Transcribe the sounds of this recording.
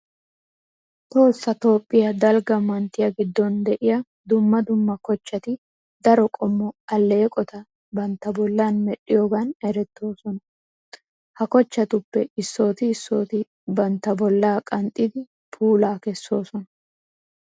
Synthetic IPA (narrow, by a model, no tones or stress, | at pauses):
t̪o̞ːsːɐt̪o̞ːpʼːɪjɐd̪ɐlɡɐmɐnt̪ːɪjɐɡɪd̪ːɔnd̪ɛʔɪjɐ | d̪ʊmːɐd̪ʊmːɐkɔt͡ʃːɐt̪ɪ | d̪ɐɾɔkʼɔmːɔɐlːe̞ːkʼɔt̪ɐ | bɐnt̪ːɐbɔlːaːnmɛɗɪjoːɡɐnɛɾɛt̪ːo̞ːsɔnɐ | hɐkɔt͡ʃːɐt̪ʊpːɛɪsːo̞ːt̪ɪːsːo̞ːt̪ɪ | bɐnt̪ːɐbɔlːaːkʼɐnt̪ʼːɪd̪ɪ | pʰuːlaːkɛsːo̞ːsɔnɐ